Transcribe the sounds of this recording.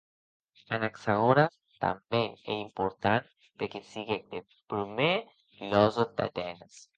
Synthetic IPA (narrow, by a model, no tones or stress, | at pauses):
anaksaɣoɾa | t̪a̰mbeneimpoɾt̪an | pekesiɣed̪e | pɾume | lozod̪a̰t̪enas